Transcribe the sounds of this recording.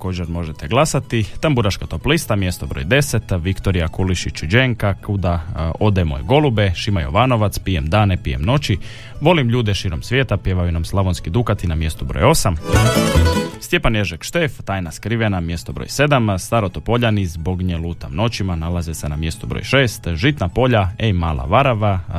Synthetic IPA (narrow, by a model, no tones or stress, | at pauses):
ko̞ːd͡ʑeɾmo̞ʒet̪ʰeɡlˠasat̪it̪ambuɾaʃkat̪o̞plist̪amjest̪obɾo̞̰jd̪e̞set̪ʋikt̪oɾijakuliʃit͡ʃud͡ʒeŋkakud̪ao̞d̪amo̰jɡo̞lubeʃimajo̰ʋaːno̞ʋat̪spijemd̪aːnepije̞̰mno̞t͡ɕi | ʋo̞limʎuːd̪ɛʃiːɾo̞msʋje̞ːt̪apjeːʋajunamslˠaʋonskid̪ukat̪inamje̞st̪ubɾo̰jo̞sam | st̪je̞panjeʒekʃt̪eːft̪aːjnaskɾiʋenamje̞st̪obɾo̰jse̞d̪amst̪aɾot̪opo̞ʎanizbo̞ɡɲeluːt̪ano̞t͡ɕimanalazesenamje̞st̪ubɾo̰jʃeːst̪ʒit̪napo̞ʎaemaːlˠʔa̰ʋaɾaʋa